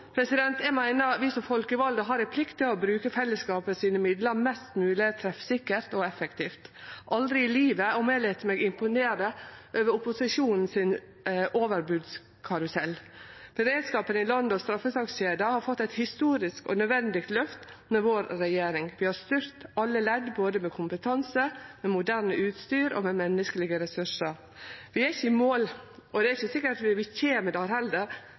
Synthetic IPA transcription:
pʰɾɛsɪd̪ɛnt̪ɛmæɪnəɾʋɪsɔmfɔlkəʋɑld̪əɦɑɾɪpʰlɪkt̪ːɪlɔbɾʉːkəfɛlːəskɑːpəsiːnəmɪd̪ləɾmɛst̪mʉːlɪt̪ʰɾɛfsɪkːəɾt̪ɔɛfɛkt̪ʰiːft̪ʔɑld̪ɾɪɪliːʋəɔmelɛt̪ːmɛːɡɪmpʊneːɾd̪əʔøːʋəɾʊpʊsɪʂuːnn̩sɪn | ʔoːʋəɾbʉd̪s | kʰɑɾʉsɛlːb̥əɾeːd̪skɑːpənɪlɔnd̪ɔst̪ɾɑfːəsɑksɕeːd̪əhɑɾfɔt̪ːæɪt̪hɪst̪uːɾɪskɔ̰nœd̪ʋɛnd̪ɪkt̪lœft̪ | mɛʋoːɾːɛjeːɾɪŋʋɪhɑɾst̪ʏɾt̪ɑlːəlɛd̪boːd̪əmɛkʰʊmpət̪ʰɑnsəmɛmʊd̪æːɾnəʉːt̪st̪yːɾɔ̰mɛmɛnːəskəlɪɡəɾɛsʉʂəɾ | ʋɪæɾɪçəɪmoːlʔɔd̪ɛæɾɪçəsɪkːəʈɑt̪ʋɪʋɪçeːməd̪ɑɾhɛld̪əɾ

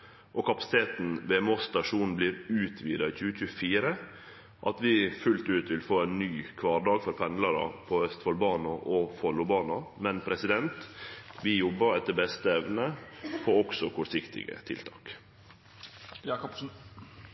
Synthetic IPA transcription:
ʔɔkʰɑpɑsɪ̥t̪ʰeːt̪n̩ʋɛːmɔst̪ɑʂuːnn̩bliːɾʉːt̪ʰʋḭːd̪ɑiçʉːəc͡çʉːəfiːɾə | ʔɑt̪ʋɪfʉlt̪ʉːt̪ʋɪlfoːɛːnnyːkʰʋɑːɖɑːɡfɔɾpʰɛnd̪lɑɾɑ̰pʰɔœst̪fɔlbɑːnɑʔɔfɔɭʊbɑːnɑmɛnpʰɾɛsɪd̪ɛnt̪ʋɪjɔbːəɾɛt̪ːəɾbɛst̪əɛʋnəpʰɔːɔksɔkʰɔʂɪkt̪ɪ̰ɡə̰t̪ʰɪ̰lt̪ʰɑːk

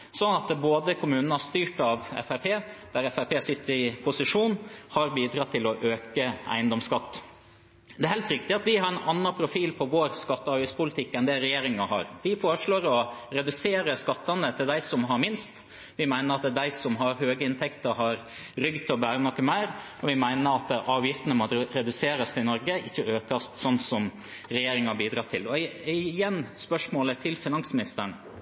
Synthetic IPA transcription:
sɔnɑt̪boːd̪əkʰʊmʉːnənəɑʂt̪yːʈɑʋɛ̰fæɾpʰeːd̪æɾɛfæpeːsɪt̪ːəɾɪpʰʊsɪʂuːnhɑɾbiːd̪ɾɑt̪ʰɪlɔʔøːkəæ̰ɪənd̪ɔmskɑt̪ː | d̪ɛæɾhɛɪlt̪ɾɪkt̪ɪɑt̪ʋɪhɑɾɛnɑnːɑpʰɾʊfiːlpʰɔʋoːɾskɑt̪ːəɑɾbɪspʊlɪt̪ʰɪkːɛnd̪ɛɾɛjeːɾɪŋɑhɑ̰ɾʋɪfoːɾəʂɭoːɾɔɾɛd̪ʉseːɾəskɑt̪ːɑnət̪ʰɪld̪æɪsɔmɦɑɾmɪnst̪ | ʋɪmæɪnəɾɑt̪d̪æɪsɔmɦɑɾhøːɡəɪnt̪ʰɛkt̪əɦɑɾ | ɾʏɡd̪̚t̪ʰɪɔbæːɾənɔkːəmæɪɾ | ɔʋɪmæɪnəɾɑt̪ʔɑːʋjɪft̪ənəmɔɾɛd̪ʉseːɾɑst̪ɪnɔɾɡəɪçːəøːkɑst̪sɔnːsɔm | ɾɛjeːɾɪŋɑbiːd̪ɾɑːt̪ʰɪlɔɪjɛnːspœʂmoːlət̪ʰɪlfɪnɑŋsmɪnɪst̪əɳ

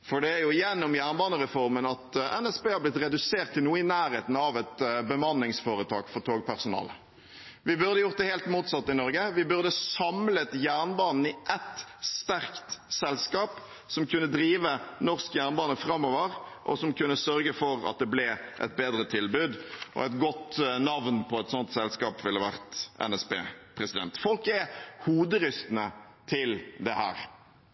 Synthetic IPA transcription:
fɔɖɛæɾjʊjɛnːɔmjæːʁnbɑːnəɾɛfɔɾmənɑt̪ɛ̰nɛsbeːhɑblɪt̪ɾɛd̪ʉseːʁt̪ʰːɪlnuːəɪnæːɾheːt̪n̩ɑʋɛt̪bəmɑnːɪŋsfoːɾət̪ʰɑ̰ːɡfɔɾt̪ʰoːɡ̚pʰæʁsʊnɑ̰ːlə | ʋɪbʉɾd̪əjʊʁt̪̚d̪ɛheːlt̪muːt̪sɑt̪ːɪnɔɾɡəʋɪbʉʁd̪əsɑmlət̪jæʁɳbɑːnn̩ɪʔɛt̪st̪æʁkt̪sɛlskɑːp | sɔmkʰʉnːəd̪ɾiːʋənɔʁskjæːʁnbɑːnəfɾɑmːɔːʋəʁʔɔ̰sɔmkʉnːəsœɾɡəfɔɾɑ̰t̪̚d̪ɛblɛʔɛ̰t̪̚beːd̪ɾət̪ʰɪlbʉːd̪ʔɔ̰ɛt̪ɡɔt̪nɑʋnpʰɔɛt̪sɔnt̪sɛlskɑːpʋɪlːəʋæʁt̪ɛ̰nɛsbḛːpʰʁɛsɪd̪ɛ̰nt̪fɔlkɛhuːd̪əɾʏst̪nət̪ʰɪld̪ɛhæ̰ːɾ

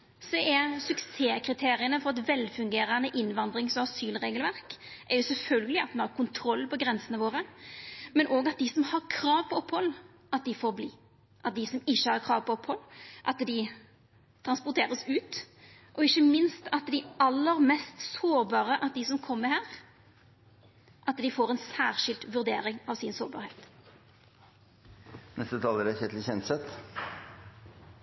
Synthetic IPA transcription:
sɔʔɛsʉkseːkʰɾɪt̪ʰeːɾɪənəfɔɾɛt̪ʋɛlːfʉŋɡeːɾənəʔɪnːʋɑnd̪ɾɪŋsɔɑsyːlɾeːɡəlʋæɾkʔɛɾjʊsɛlfœlɡəlɪɑt̪mɛnhɑɾkʊnt̪ʰɾɔlːpɔɡɾɛnsənəʋoːɾə | mɛnʔoːɡɑt̪̚d̪ɪsɔmhɑɾkʰɾɑːʋpʰɔɔpːhɔlː | ʔɑt̪̚d̪ɪfoːɾbliː | ʔɑt̪̚d̪ɪsɔmɪçːəhɑɾkʰɾɑːʋpʰɔɔphɔlːʔɑt̪d̪ɪ | t̪ʰɾɑnspʊt̪ʰeːɾəsʉːt̪ | ʔɔɪçːəmɪnst̪ɑt̪d̪ɪɑlːəɾmɛst̪soːɾbɑːɾəʔɑt̪̚d̪ɪsɔmkʰɔmːəɾhæːɾ | ʔɑt̪d̪ɪfoːɾɛnsæːʁʃɪlt̪ʋʉɾd̪ḛːɾɪŋɑʋsɪnsoːɾbɑ̰ːɾheːt̪ | nɛst̪ət̪ʰɑːləɾæçɛt̪lɪçɛnt̪sɛt̪

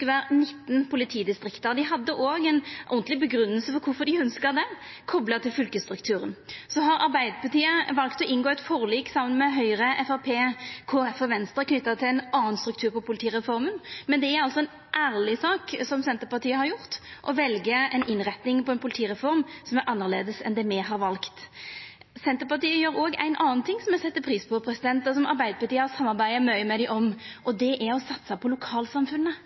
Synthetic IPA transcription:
ʋæːɾnɪt̪ːnpʰʊlɪt̪ʰiːd̪ɪst̪ɾɪkt̪ɑʁd̪ɪɦɑd̪ːəʔoːɡɛnʔɔnt̪lɪbəɡɾʉnːəlsəfɔkʰʊfɔd̪ɪœnskəʁd̪ɛ | kʰɔblɑt̪ʰɪlfʏlkəst̪ɾʉkt̪ʰʉːɾənsɔɦɑɾʔɑ̰ɾbæɪd̪əpɑt̪ʰiːəʋɑlkt̪ɔʔɪnɡoːɛt̪fɔʁliːksɑmənmɛɦœʏɾəʔɛfæʁpʰeːkʰoɛfɔʋɛnst̪ɾəkʰnʏt̪ːɑt̪ʰɪlɛnɑːnst̪ɾʉk̚t̪ʰʉːʁɾpɔpʰʊlɪt̪iːʁɛfɔɾmənmɛnd̪ɛæɾɑlsɔɛn | ʔæːɾlɪsɑːksɔmsɛnt̪əpɑʁt̪ʰiːəhɑɾjʊʁt̪ʔɔʋɛlɡəɛɪnʔɪnʁɛt̪nɪŋpɔɛnpʰʊlɪt̪ʰiːʁɛfɔɾmsɔmæɾʔɑnːəʁleːd̪əsɛ̰nd̪ɛmɛɦɑɾʋɑlkt̪ | sɛnt̪əpɑt̪iːəjøːʁɾoːɡæ̰ɪnʔɑːnt̪ʰɪŋːsɔmɛsɛt̪ːəpʰɾiːspʰɔpʰɾɛsɪd̪ɛnt̪ɔsɔmɑ̰ɾbæɪd̪əpɑʁt̪iːəɔsɑmːɑʁbæɪəmœʏəmɛd̪æɪʔɔmʔɔd̪ɛʔæɔsɑt̪sɑpʰɔlʊkʰɑːlsɑmfʉnːə

